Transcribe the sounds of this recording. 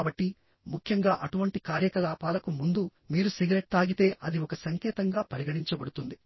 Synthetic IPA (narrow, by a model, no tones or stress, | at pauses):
bɐʈːi | mukʰjɐŋɡaːʔɐʈuʋɐɳʈikaːɾjɐkɐlaːpaːlɐkumund̪u | miːɾusiɡɐɾeʈsaːɡit̪e̞ːʔɐd̪iɔkɐsɐŋkɛːt̪ɐŋɡaːpɐɾiɡɐɽiɲt͡ʃɐbɐɽut̪und̪i